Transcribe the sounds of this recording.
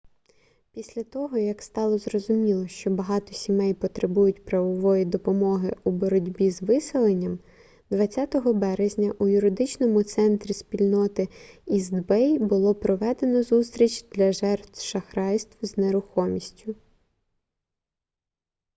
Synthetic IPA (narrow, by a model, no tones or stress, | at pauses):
pʲisʲlʲɐt̪ɔɦɔjɐkst̪ɑlˠɔzrɔzʊmʲilˠɔʃt͡ʃɔbɐɦɑt̪ɔsʲimɛjpɔt̪ɾebujʊtʲpɾɐʋɔʋɔjid̪ɔpɔmɔɦɪubɔɾɔdʲbʲizʋɪsɪlˠenʲːɐm | d̪ʋɐt͡sʲːat̪ɔɦɔbɛɾezʲnʲɐʔujʊɾɪd̪ɪt͡ʃnɔmʊt̪sɛnt̪ɾʲispʲilʲnɔt̪ɪizd̪bɛjbʊlˠɔpɾɔʋɛd̪e̞nɔzust̪ɾʲit͡ʃd̪̥lʲɐʒɛrt̪ʃɐxɾɑjst̪wzneɾʊxɔmʲisʲtʲʊ